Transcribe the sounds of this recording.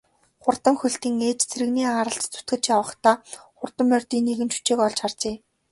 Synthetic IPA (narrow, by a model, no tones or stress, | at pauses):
χʊrt̪ə̆ŋxɵɬt̪iːŋeːt͡ɕt͡sʰeɾɘ̆ɣniːaːɾə̆ɬt̪t͡sʰu̥t̪̚ɡɘ̆t͡ɕjawə̆χt̪aːχʊrt̪ə̆mːœrʲt̪iːnːeɣɘ̆nt͡ɕu̥t͡ɕeːkɔɮt͡ɕχart͡ɕeː